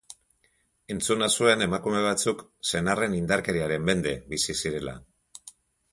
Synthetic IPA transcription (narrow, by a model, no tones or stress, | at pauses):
e̞nt͡sunasue̞ne̞makume̞β̞at͡sukse̞nare̞nind̪aɾke̞ɾiaɾe̞mbe̞nd̪e̞βisisiɾe̞la̰